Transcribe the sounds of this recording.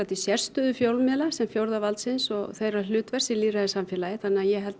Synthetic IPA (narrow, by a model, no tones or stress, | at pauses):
at̪isjɛr̥st̪ʏðʏfjowlmɛlasɛmfjowɾðavalt̪sɪnsɔɣθejralʏːt̪vɛrsɪliraðɪsamfjɛlajɪθanːɪajɛɦɛlt̪